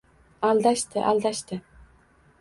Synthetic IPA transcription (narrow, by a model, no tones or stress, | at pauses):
ald̪aʃt̪ɪʔalˠd̪aʃt̪ɪ